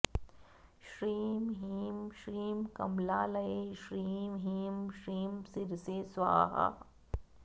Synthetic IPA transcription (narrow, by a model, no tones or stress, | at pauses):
ʃɾiːmɦiːmʃɾiːmkɐ̰mlaːlɐeʃɾiːmɦiːmʃɾiːmsɪɾsesʋa̰ːɦa̰